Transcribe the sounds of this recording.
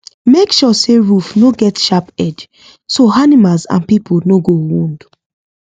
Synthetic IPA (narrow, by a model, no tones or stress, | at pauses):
mekʃɔseɹufnoɡɛtʃapɛd͡ʒ | soanimalzã̰npipʰolnoɡowũnd